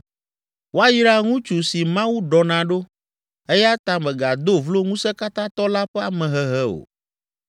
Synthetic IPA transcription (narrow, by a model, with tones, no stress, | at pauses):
wo˦a˦ji˦ɖa˦ŋũ˦t͡ʃu˨si˨mã˦wu˦ɖɔ˨nã˨ɖo˦ | e˦ja˦t̪ã˦mɛ˨ɡa˨d̪o˦vlo˦ŋũ˦sɛ˦ka˦t̪ã˦t̪ɔ˦la˦ɸɛ˦a˦mɛ̃˨ɦɛ˨ɦɛ˦o̰˨